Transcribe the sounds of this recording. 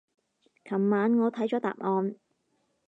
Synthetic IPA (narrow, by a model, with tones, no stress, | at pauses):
kʰɐ˨˩mːaː˨˥nŋɔː˨˧t̪ʰɐ˨˥jt͡ʃɔː˨˥t̪a̰ː˨p̚ŋɔː˨˧n